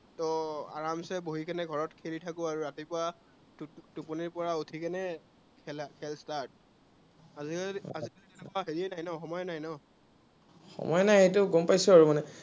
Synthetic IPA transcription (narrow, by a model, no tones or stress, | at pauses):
tɔa̰ɹamsɛboɦikɛnɛɡʱɔɹɔtkʰeɹitʰakʊ̃aɹuɹatipʊa | tupuniɹpɔɹautʰikɛnɛ | kʰɛlkʰɛlstaɹt̚ | aziazikaltɛnɛkʊaɦeɹiɛnajnɔxɔmɔjɛnajnɔ | xɔ̰mɔjɛnajejtʊɡɔmpajsʊaɹumanɛ